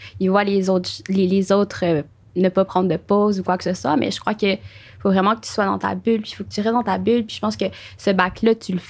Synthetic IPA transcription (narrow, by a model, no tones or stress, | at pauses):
ivwalezot̪lelezot̪χø | nəpapχɑ̃d̪ʁəd̪əpozukwakə̥səswamɛ̰ʒəkχwakə | fovʁɛmɑ̃kə̥t̪y̥swad̪ɑ̃t̪a̰bylpifok̚ə̥t̪yiʁɛd̪ɑ̃t̪abylpiʒə̥pɑ̃skəsəbaklat̪yləf